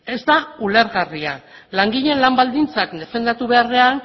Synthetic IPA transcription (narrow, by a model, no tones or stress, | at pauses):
e̞zd̪aule̞ɾɣarialaŋɡiʎe̞nlambald̪int͡sakd̪e̞fe̞nd̪at̪uβe̞are̞an